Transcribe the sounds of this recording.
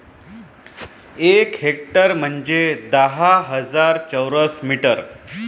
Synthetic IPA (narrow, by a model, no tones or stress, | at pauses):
ekɦek̚ʈəɾm̤əɳd͡ʑed̪əɦaɦəd͡zaɾt͡ɕəwɾəsmiʈəɾ